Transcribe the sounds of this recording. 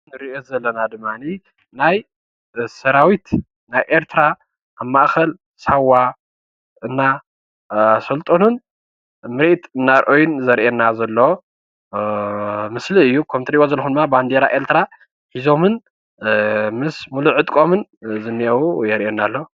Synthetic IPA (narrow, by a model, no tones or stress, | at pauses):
nɨɾiʔozɐlːɐnad̪ɨmːani | naj | sɐɾawit̪ | najʔeɾt̪ʰɨɾa | ʔaβmaʔxɐl | sawːa | ɨnːa | sɐlt̪ʼonun | mɨɾit̪ɨnːaɾʔojunzɐɾʔenːazɐlːo | mɨsliɨjːukʰɐmt̪ʰɾiwozɐlxund̪ɨmːaband̪eɾaʔe̞ɾt̪ʰɨɾa | ħizo̞mɨn | mɨsmuluʕɨt̪ʼkʼo̞mɨnzɨnːiɐwujɛɾʔenalːo